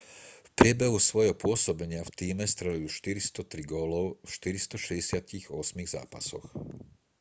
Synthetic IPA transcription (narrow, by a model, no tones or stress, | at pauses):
fpɾɪɛbɛɦusʋɔjɦɔpʊɔsɔbɛɲɪaft̪iːmɛst̪ɾɛlujuʃt̪iɾist̪ɔt̪ɾiɡɔːlɔʊfʃt̪iɾist̪ɔʃɛɟɛsɪat̪ciɣɔsmiɣza̰ːpa̰sɔ̰x